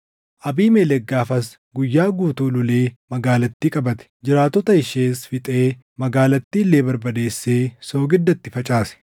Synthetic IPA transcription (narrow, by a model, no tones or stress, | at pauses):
ʔɐbiːmeːlɛɡːaːfɐs | ɡʊjːaːɡuːt̪uːlʊleːmɐɡaːlɐt̪ːiːkʼɐbɐt̪ɛ̥d͡ʒɪɾaːt̪ːɔt̪ɐɪʃeːsfɪt̪ʼe̞ː | mɐɡaːlɐt̪ːiːlːeːbɐɾbɐd̪e̞ːsːe̞ːso̞ːɡɪd̪ːɐt̪ːɪfɐt͡ʃʼaːsɛ̥